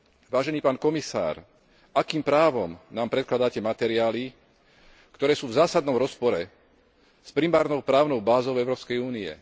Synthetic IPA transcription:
ʋaːʒɛniːpaːnkɔmisa̰ːɾ | akiːmpɾaːʋɔmnaːmpɾɛt̪klad̪aːcɛmat̪ɛɾiaːli | kt̪ɔɾɛːsuːvzaːsad̪nɔmɾɔspɔɾɛ | spɾimaːɾnɔʊpɾaːʊnɔʊbaːzɔʊɛʊɾɔːpskɛjuːniɛ̰

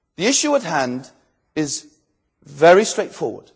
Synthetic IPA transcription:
ðiɪʃʉəthãnd | ɪz | vɛɹistɹ̥eɪtfɔ̰ːwə̰d̥

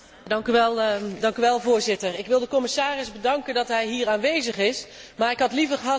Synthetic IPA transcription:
dɑŋkyʋɛlˠdɑŋkyʋɛlˠvʊːɹzɪtəɹɪkʋɪlˠdəkɔmɪsaːrɪzbədɑŋkəndɑtɦɛjɦiːraːnʋejzəχɪsmaːɹɪkɦɑtlivəɹχəɦɑ

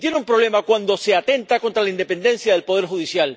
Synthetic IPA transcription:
t̪jeneumpɾoβle̞makwand̪o̞se̞at̪e̞nt̪ako̞nt̪ɾalaind̪e̞pe̞nd̪e̞nsjaðe̞lpoðe̞ɾxuðisjal

